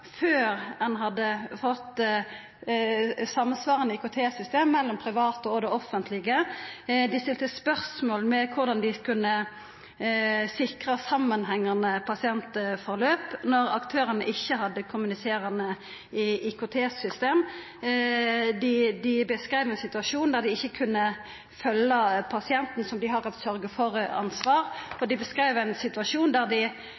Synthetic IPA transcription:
føːʁhɑnɦɑd̪ːəfɔt̪ː | sɑmːənsʋɑːʁənɪɪkʊt̪ʰeːsʏst̪eːmːɛlːɔmpʰʁɪʋɑːt̪əɔd̪ɛɔfːənt̪ʰlɪɡəd̪ɪst̪ɪlt̪əspœʁsmoːlmɛkʰʊʁd̪ɑnd̪ɪkʰʉnːə | sɪkʁɑsɑmːənɦɛŋːɑnəpʰɑsɪɛnt̪fɔʁløːpnɔʁɑkt̪ʰøːʁənəʔɪçːəhɑd̪ːəkʰʊmʉnɪseːɾɑnə | ʔɪkʊt̪ʰeːsʏst̪eːm | d̪ɪd̪ɪbəskʁeɪʋæɛnsɪt̪ʉɑʂuːnd̪æʁd̪ɪɪçːəkʰʉnːə | fœlːəpʰɑsɪɛnt̪n̩sɔmd̪ɪɦɑʁɑt̪sœʁɡəfɔʁɑ̰nsʋɑːʁɔd̪ɪbəskʁeɪʋæɪnsɪt̪ʉɑʂuːnd̪æʁd̪ɪ

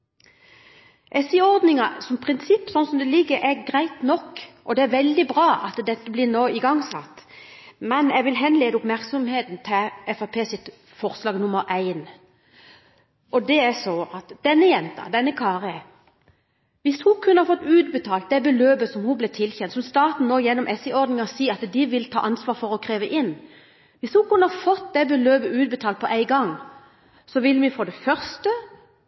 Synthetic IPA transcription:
ʔɛsɪɔʁd̪nɪŋɑsɔmpʰʁɪnsɪpːsɔnːsɔmd̪ɛlɪɡːəɾʔæɾɡɾæɪt̪nɔkːʔɔd̪ɛæɾʋɛld̪ɪbɾɑːʔɑt̪d̪ɛt̪ːəblɪɾnoːɪɡɑŋsɑ̰t̪ːmɛnjɛɡʋɪlɦɛnleːd̪əʊpmæʁksɔmheːt̪nt̪ʰɪɛfɑpʰeːsɪt̪ | fɔɾslɑːɡnʊməɾʔæɪn | ʔɔd̪ɛæsɔʔɑt̪d̪̥ɛnːəjɛnt̪ɑ̰d̪ɛnːəkʰɑːʁəɛ | ʋɪshukʰʉnəhɑɾfɔt̪ːʉːd̪̚bət̪ʰɑːlt̪̚d̪ɛbəløːbəsɔmhublɛt̪ʰɪlçɛnt̪sɔmst̪ɑːt̪n̩noːjɛnːɔmʔɛsɛɪɔʁd̪nɪŋɑsiːɑt̪d̪ɪʋɪlt̪ʰɑ̰ːʔɑnsʋɑːɾfɔʁɔkʰʁeːʋəʔɪnː | ʋɪshukʉnːəhɑɾfɔt̪ːd̪ɛbəløːbəʉːt̪̚bət̪ʰɑːlt̪̚pʰɔʔæɪɡɑŋ | sɔʋɪlːmɪfoːd̪ɛfœʁst̪ə

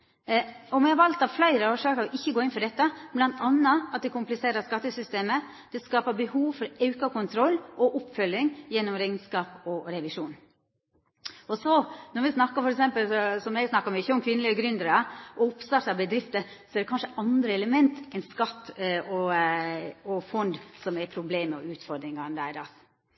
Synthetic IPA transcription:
ɔmɛhɑɾʋɑlt̪ɑʋflæɪɾəoːʂøːkɑɾɔʔɪçːəɡoːɪnfɔɖɛt̪ːɑblɑnt̪ʰɑnːɑɑt̪̚d̪ɛkʰʊmplɪseːɾəskɑt̪ːəsʏst̪eːmə | d̪̥ɛskɑːpəɾbəhuːʋfɔɾɑʉkɑkʊnt̪ʰɾɔlːʔɔʔʊpːfœlːɪŋjɛnːɔmɾɛɪnskɑːpɔɾɛʋɪʂuːn | ɔsɔnɔɾʋɪsnɑkːɑfɔɾɛksɛmpəlsɔsɔmɛɡsnɑkːɑmʏçːəɔmkʰʋɪnːəlɪəɡɾʏnd̪əɾɑʔɔʊpst̪ɑɾt̪ɑbəd̪ɾɪft̪əsɔɛɾd̪ɛkɑnʂəʔɑnd̪ɾəɛləmɛnt̪ɛnskɑt̪ːɔ | ɔfɔnd̪sɔmɛɾpʰɾʊbleːməɔ̰ʉːt̪fɔɾd̪ɾɪŋɑnd̪æd̪ɑs

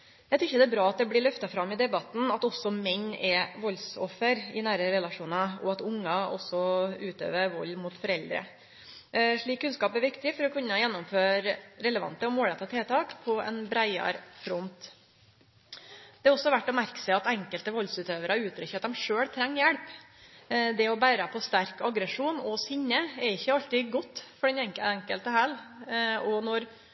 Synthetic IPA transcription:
jæɪt̪ɾɾɪçːəd̪ɛæːbɾɑːɑt̪̚d̪ɛblɪɭʏft̪ɑfɾɑmːɪd̪ɛbɑt̪n̩ɑt̪ɔsɔmɛɲːɛʋɔlsɔfːəɾɪnæːɾəɾɛlɑʂuːnɑɔ̰ɑt̪ʊŋːɑʔɔ̰sːɔʉːt̪ʰø̰ːʋəʋɔlːmʊːt̪fɔɾɛld̪ɾə̰ | ʂɭiːkʰːʉnskɑːpæɾʋɪkt̪ɪfɔɾɔkʰʉnːəjɛnːɔmføːɾɾɛləʋɑ̰nt̪əɔmoːɽɛt̪ɑt̪ʰeːt̪ʰɑːkpʰɔɛ̰nbɾæɪɑ̰ɾfɾɔnt̪ | d̪̥ɛɑɾɔsːɔʋæʈːɔmæɾkə̥sæɪɑt̪ɛŋkəlt̪əʋɔlsʉːt̪øːʋəɾɑɾʉːt̪ʰɾʏçəɑt̪̚d̪ɛmʂøːɽt̪ʰɾɛŋːjɛɽp | d̪ɛɔbæːɾəpʰɔst̪æɾkɑɡɾəʂuːnɔsʏɲːəɛɾɪçːəɑlt̪ɪɡɔt̪ːfɔɖɛnɛŋkəɛŋkəlt̪əhæl | ɔnɔɾ

